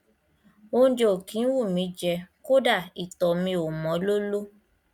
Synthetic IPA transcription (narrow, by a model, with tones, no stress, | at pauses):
o˦d͡ʒo˨o˨kĩ˨˦wu˦˨mĩ˨˧˦d͡ʒɛ˧˦ko˦da˦˨i˨tɔ˨mĩ˧o˨mɔ̃˨˦lo˦lo˦